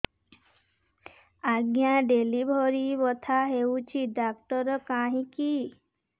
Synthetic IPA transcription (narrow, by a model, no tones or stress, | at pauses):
aɡjaɖelibʱoɾibɔt̪ʰaɦewt͡ʃʰid̪akt̪ɔɾɔkaɦĩki